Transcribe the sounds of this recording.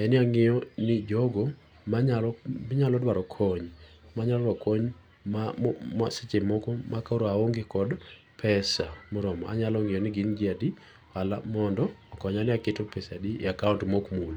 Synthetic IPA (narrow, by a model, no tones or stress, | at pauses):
ɛnɪaŋɪjɔnɪd͡ʒɔɡɔ | maɲalɲalɔdwaɾɔkʰɔɲ | maɲalɔɾwakoɲ | mamaset͡ʃemɔkɔmakaoɾaoŋɡekɔd | pʰɛsamoɾɔmɔ̰a̰ɲalɔŋɪjɔnɪɡɪnd͡ʒiadi | walamɔndɔːkɔɲanɪaketopɛsadḭakauntmokmul